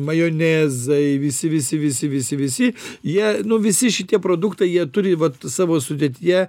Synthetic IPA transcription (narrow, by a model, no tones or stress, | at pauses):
mɐjoːnʲeːzɐɪʋʲɪsʲɪʋʲɪsʲɪʋʲɪsʲɪʋʲɪsʲɪʋʲɪsʲɪjiɛnʊʋʲɪsʲɪʃʲɪt̪ʲiɛpɾoːd̪ʊkt̪ɐɪjiɛt̪ʊɾʲɪʋɐt̪sɑːʋoːsʊd̪ʲeɛt̪ʲɪjɛ